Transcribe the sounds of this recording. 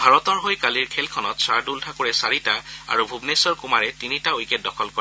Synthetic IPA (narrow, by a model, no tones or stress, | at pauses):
bʱaɹɔtɔɹɦojkaliɹkʰɛlkʰɔnɔtsaɹdultʰakoɹɛsaɹitaa̰ɹubʱubnesɔɹkumaɹɛtinitaojkɛt̚dɔkʰɔlkɔɹ